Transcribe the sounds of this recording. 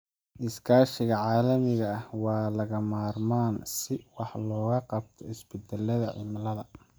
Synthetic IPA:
ʔɪskʰaːʃɪɣɐʕɑːlɐmɪɣɐhwɑːlɐɣɐmaːrmaːnsɪwɑħlɔːɣɐqɑb̚t̪ʰɔɪsbɪd̪ɛlɐðɐʕɪ̰mlɐðɐ

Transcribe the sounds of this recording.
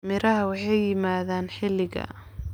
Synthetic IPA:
mɪɾɐɦɐwɑħɑjːɪmaːðaːnħɪlɪɣɐ̰

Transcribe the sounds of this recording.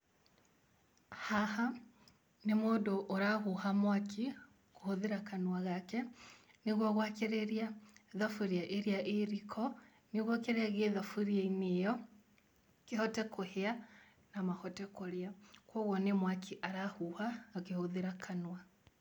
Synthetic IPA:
haha | nemoːdoʔːɾahuhamwakʰi | kohoðeɾakanwaɣakɛ | neɣwɔɣwakeɾeɾiaðafuɾiaʔeɾiaʔeɾikʰɔ | neɣwɔkeɾeaɣeðafuɾieinejɔ | kehɔtɛkohea | namahɔtɛkoɾeakwɔɣwɔnemwakʰiʔaɾahuhaːkehoðeɾakʰanwa

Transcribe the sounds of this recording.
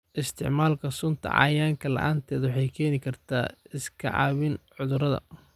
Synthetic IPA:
ʔɪst̪ʰɪ̰ʕmaːlkʰɐsʊnt̪ʰɐ̰ʕɑ̰jaːŋkʰɐlɐ̰ʔaːnt̪ʰɛːðwɑħɑjkʰɛːnɪkʰɐrt̪ʰaːɪskʰɐ̰ʕɑ̰ːβɪnʕʊðʊɾɐðɐ̰

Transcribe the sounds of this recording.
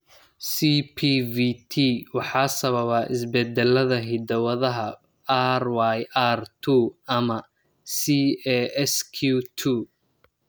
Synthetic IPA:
siːpʰiːvit̪ʰiwɑħɑːsɐβɐβaːʔɪsbɛd̪ɛlɐðɐɦɪd̪ɐwɐðɐɦɐ | arwajʔaːrt̪ʰuːɐmɐ | siɛɛskʰuːt̪ʰuː

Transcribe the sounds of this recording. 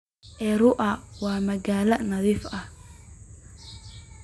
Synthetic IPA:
ʔɛːɾʊʔɐwɑːmɐɣaːlɐnɐðiːfɐh

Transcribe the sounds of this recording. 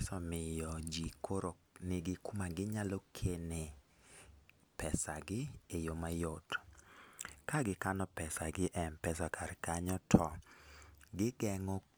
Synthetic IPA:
sɔmɪjɔd͡ʒikʰoɾonɪɡɪkumaɡɪɲalɔkʰene | pɛsaɡɪejomajot | kaɡɪkanɔpɛsaɡɪʔɛnpɛsakʰarkaɲɔtʰɔ | ɡɪɡɛŋɔ

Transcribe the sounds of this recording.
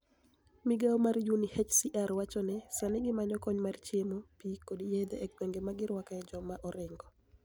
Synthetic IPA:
miɡaomarjunihɛt͡ʃsiʔaɾwat͡ʃɔnɛsanɪɡɪmaɲɔkɔɲmart͡ʃemopikodijed̪eʔɛk̚tweŋɡemaɡɪɾwakaɛd͡ʒɔmaʔɔɾɪŋɡɔ

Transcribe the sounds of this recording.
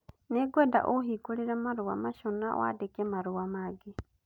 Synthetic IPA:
neɡwɛda̰ʔoɦiːɡoɾeɾamaɾoa̰maʃona̰wa̰dekɛmaɾoamaɡe

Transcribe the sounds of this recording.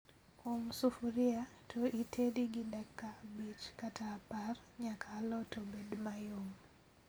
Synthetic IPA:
omsufuɾɪatʰoʔitʰediɡɪdakːabit͡ʃkataːparɲakʰalɔtobedmajom

